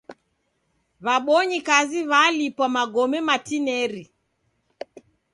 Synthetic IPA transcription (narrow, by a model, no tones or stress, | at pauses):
βaɓɔɲikaziβalipwamaɡɔmɛmatinɛɾi